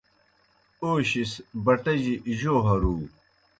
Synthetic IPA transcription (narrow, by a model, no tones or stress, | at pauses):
oːɕisbɐʈɐʑiʔʑoːɦɐɾuː